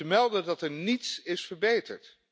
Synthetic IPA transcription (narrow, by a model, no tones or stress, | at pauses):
əmɛlˠdədɑtɛɹnitsɪsfəɹbejtəɹt